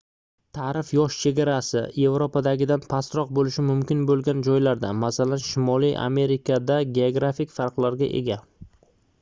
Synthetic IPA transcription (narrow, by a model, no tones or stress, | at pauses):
t̪ʰaɾɪfjɒʃt͡ʃʰe̞ɡʲaɾasɪje̞vɾopad̪aɡʲɪd̪anpʰast̪ɾɒq̚bolɪʃɪmʊmkʲɪnbolˠɡʲand͡ʒɒjlaɾd̪amasalanʃɪmɒlijʔa̰me̞ɾɪkʰad̪aɡʲe̞oɡɾafɪkʲfaɾqlˠaɾɡʲa̰ʔe̞̰ɡʲa